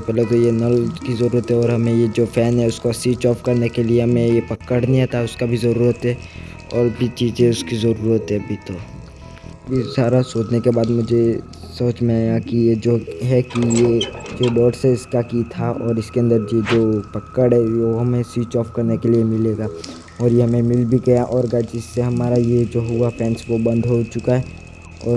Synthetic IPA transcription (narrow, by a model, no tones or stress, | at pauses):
epɛːlet̪ojenɐlkizɐɾuːɾət̪ɦɛɔːɾɦɐmẽjed͡ʒoːpʰɛːnɦɛʊskosiːt͡ʃɔːfkɐɾnekelieɦɐmẽjepɐkːəɽnĩat̪aʊskabʱizɐɾuːɾət̪ɦɛ | ɔːɾbʱit͡ʃiːd͡ʒẽʊskizɐɾuːɾət̪ɦɛ̃bʱit̪o | bʱisaːɾasoːd͡ʒnekebaːd̪mʊd͡ʒʱe | sɐːd͡ʒmẽaːɡakijed͡ʒoːɦɛkijed͡ʒoːɖɔːʈseɪskakit̪ʰaʔɔːɾɪskeə̃nd̪əɾd͡ʒed͡ʒoːpɐkːəɽɦɛʋoɦɐmẽsiːt͡ʃɔːfkɐɾnekeliemɪleːɡa | ɔːɾjeɦɐmẽmɪlbʱiɡɐjaʔɔːɾɡat͡ʃɪsːeɦɐmaːɾajed͡ʒoɦʊapʰɛ̃ːnsʋobɐ̃nd̪ʱɦot͡ʃʊkaɦɛ | ɔːɾ